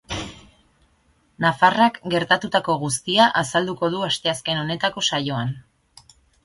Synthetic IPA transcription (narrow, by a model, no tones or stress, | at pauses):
nafarakɡe̞ɾt̪at̪ut̪ako̞ɣ̞ust̪iaʔasald̪uko̞ð̞uast̪e̞aske̞no̞ne̞t̪ako̞sajo̞an